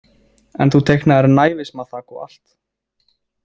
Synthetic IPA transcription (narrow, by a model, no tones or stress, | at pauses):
ɛ̰nθut̪ʰejknaɛɾnaːjvɪsmaθaːkɔa̰l̥t̪